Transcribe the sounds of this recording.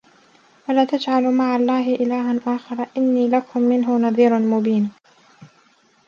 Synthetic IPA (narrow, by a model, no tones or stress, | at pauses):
walaːt̪ad͡ʒʕalmaʕalˤːɑːɦɪʔɪlaːɦanʔaːxɑɾˤɑʔɪnːiːlakʊmːɪnɦʊnɑðˤiːɾʊnmʊbiːn